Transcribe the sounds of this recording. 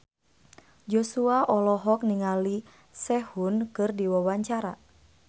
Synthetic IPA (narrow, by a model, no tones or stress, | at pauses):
d͡ʒɔsuaʔɔlɔɦɔk̚niŋali | sɛhunkɨrdiwawaɲt͡ʃaɾa̰